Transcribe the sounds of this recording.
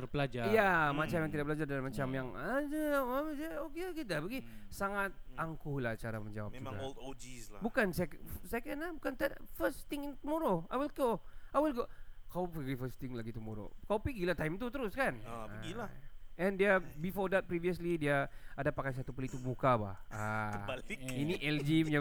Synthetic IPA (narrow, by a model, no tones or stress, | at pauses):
t̪ərbəlad͡ʒajamat͡ʃamjãŋt̪idaʔ̚bəlad͡ʒardalmat͡ʃamjaŋad͡ʒaamsaokeokedabəɡisaŋat̪̚aŋkuhlaht͡ʃaɾa̰məɲd͡ʒa̰wa̰pia̰old̪od͡ʒislabukansɛksɛkəndlahbukant̪afəst̪ɪŋɪnt̪əmoɾoajwilɡoajwilɡokawpəɡifəst̪ɪŋlaɡit̪umo̰ɾo̰kawpiɡilaht̪ajmt̪ut̪əɾʊskan̰ɡilaɛndiabifɔrdɛt̪̚pɾiviəslidiaadapakajs̬at̪upəlit̪ubukaba̰haəalɪkiniʔɛld͡ʒimja